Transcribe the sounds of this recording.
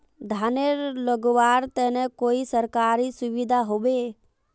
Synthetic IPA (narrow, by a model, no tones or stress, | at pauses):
d̪ʱaneɾləɡʋaːɾt̪ɛnekoːisəɾkaːɾisʊʋid̪ʱaɦobe